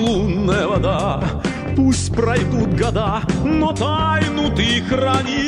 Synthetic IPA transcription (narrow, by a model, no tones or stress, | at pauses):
lˠunːəjɐvɐd̪a | pusʲtʲpɾɐjd̪ut̪ɡɐd̪anɔt̪ajnʊt̪ikrɐnʲi